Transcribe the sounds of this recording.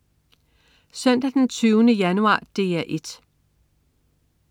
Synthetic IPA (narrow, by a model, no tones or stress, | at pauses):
sœn̰d̥æd̥ent͡sʰyːʊnəjænuɑ̰̈ːd̥e̝ːæʔe̝d̥